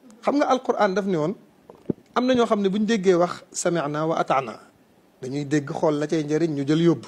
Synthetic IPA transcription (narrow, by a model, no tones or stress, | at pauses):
xɐmɡɐʔɐlqʊɾʔaːndɐfniwɔn | ɐmnɐɲɔːxɐmnɛbuɲdeɡːɛwɐxsɐmɛʕnaːwɐʔɐ̰tana̰ː | dɐɲuideɡːəxɔlːɐcɐjɲɟɐɾiɲɲuɟɐljob